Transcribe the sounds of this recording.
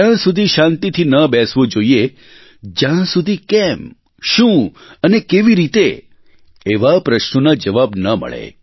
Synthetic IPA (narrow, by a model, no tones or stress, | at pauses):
ãsud̪ʱiʃãnt̪it̪ʰinəbɛsʋod͡ʒoie | d͡ʒjãsud̪ʱikɛm | ʃũ | ənekeʋiɾit̪e | eʋapɾəʃnonad͡ʒəʋabnəmə̰ɭḛ